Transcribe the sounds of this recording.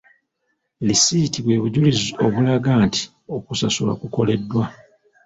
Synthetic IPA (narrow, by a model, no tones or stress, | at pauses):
lisitiβwe̞ːβuɟulizio̞βulaɡaːnti̥ | o̞kusasula̰kuko̞le̞dːwa